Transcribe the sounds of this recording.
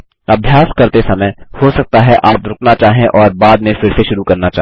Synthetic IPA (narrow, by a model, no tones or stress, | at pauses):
ɐbʱjaːskɐɾt̪esɐməjhosɐk̚t̪aɦɛʔaːpɾʊknat͡ʃaːɦẽʔɔːɾbaːd̪mẽfɪɾseʃʊɾukɐɾnat͡ʃaː